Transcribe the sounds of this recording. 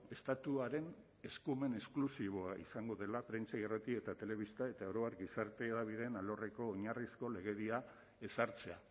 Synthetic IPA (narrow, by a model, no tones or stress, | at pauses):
e̞st̪at̪uaɾe̞n | e̞skume̞ne̞sklusiβ̞oaḭsaŋɡo̞ðe̞lapɾe̞nt͡ʃairat̪ie̞t̪at̪e̞le̞β̞ist̪ae̞t̪aoɾoaɾɡisaɾt̪e̞ːðaβ̞iðe̞nalo̞re̞ko̞ːɲarisko̞le̞ɣe̞ðia | e̞saɾt͡se̞a